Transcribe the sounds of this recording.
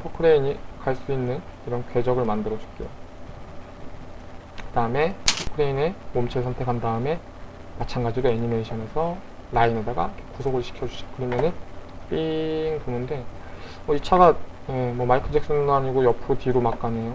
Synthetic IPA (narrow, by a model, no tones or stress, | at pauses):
pʰokʰɯɾeiɲikaɭs͈uinːɯniɾʌnkwe̞d͡ʑʌɡɯɭmandɯɾʌd͡ʑu̥k͈ejo | kɯdaɯme̞pʰokʰɯɾeine̞momt͡ɕʰesʰʌntʰe̞kʰandaɯme̞ | mat͡ɕʰanɡad͡ʑiɾoeɲime̞iɕʰʌne̞sʰʌ | ɾainedaɡa̰ikʰekusʰoɡɯɭɕʰi̥kʰjʌd͡ʑuɕʰʌ̥kɯɾʌmjʌnɯnp͈iŋponɯnde̞ | mʌit͡ɕʰaɡaje̞mwʌmaikʰɯd͡ʑeks͈ɯnɯndoaɲiɡojʌpʰɯɾotiɾomak͈anejo